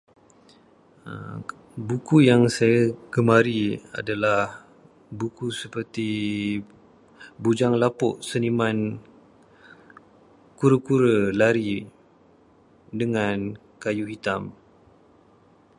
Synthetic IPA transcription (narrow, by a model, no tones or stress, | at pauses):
bukujaŋsajaɡəmaɾia̰dalah | bukusəpərt̪i | bud͡ʒaŋlapʊʔsəniman | kuɾəkuɾəlaɾi | dəŋan | kajuɦit̪am